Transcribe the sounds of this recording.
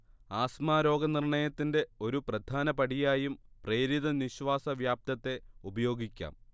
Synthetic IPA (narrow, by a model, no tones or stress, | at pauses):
aːsmaːɾo̞ːɡɐnirɳɐjɐt̪ːinde̞o̞ɾuprɐd̪ʱaːnɐpɐɽijaːjumpre̞ːɾiðɐniɕʋaːsɐʋjaːp̚t̪ɐt̪ːe̞ubɐjo̞ːɡikʲːa̰ːm